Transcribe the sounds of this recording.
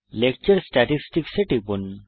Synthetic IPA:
lekt͡ʃəɾsʈaʈisʈikseʈipun

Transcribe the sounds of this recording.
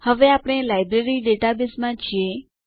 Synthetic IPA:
həʋeapɽ̃elajbɾeɾiɖeʈabɪsmãt͡ʃʰie

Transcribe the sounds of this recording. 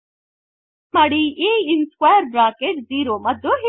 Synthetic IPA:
mɐɽiiinskwaːjəɾbɾaːkeʈziːɾoːmɐd̪oɦi

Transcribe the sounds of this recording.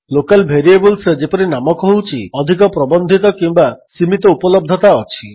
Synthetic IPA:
lokalbʱeɾiebɔlsd͡ʒepɔɾinamɔkɔɦɦut͡ʃʰiɔd̪ʱik̬ɔpɾɔbɔnd̪ʱit̪ɔkimbasimit̪ɔupɔlɔb̚d̪ʱɔt̪aɔt͡ʃʰi

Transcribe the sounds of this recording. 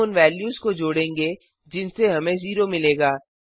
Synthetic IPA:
ʊnʋɛːljuːzkod͡ʒoːɽẽːŋɡe | d͡ʒɪnseɦɐmẽziːɾomɪleːɡaː

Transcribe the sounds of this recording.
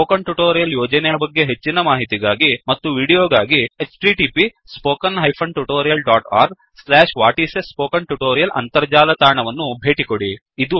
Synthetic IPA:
oːkɐɳʈuʈoːɾijɐljɔːd͡ʒɐnɛjɐbɐɡːe̞ɦet͡ʃːinɐmaːɦit̪iɡaːɡimɐt̪ːuʋiːɽijoːɡaːɡiet͡ʃʈiʈiːpi | spoːkɐnɦɐjpʰɐɳɖʈuʈoːɾijɐlɖaːʈa̰ːɾɡ | slɛːʂʋaːʈiːsespoːkɐɳʈuʈoːɾijɐlʔɐ̰nt̪ɐɾd͡ʒaːlɐt̪aːɾɐɳɐʋɐnːubʱe̞ːʈikoɽiː | d̪u

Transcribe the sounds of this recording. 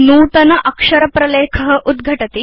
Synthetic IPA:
nuːt̪ɐnɐʔɐkʂɐɾɐpɾɐleːkʰɐɦəʔud̪ɡʱɐʈɐt̪i

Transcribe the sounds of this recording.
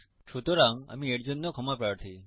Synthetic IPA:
t͡ʃʰot̪oɾãŋɡa̰mĩeʈd͡ʒənːokʰəmapɾaɽt̪ʰi

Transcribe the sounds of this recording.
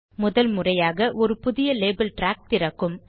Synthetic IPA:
mʊðɐlmʊrɐjaːɣɐʔɔɾɯpʊðɪjɐleːbɐlʈɾaːk̚t̪ɪrɐkːɯm

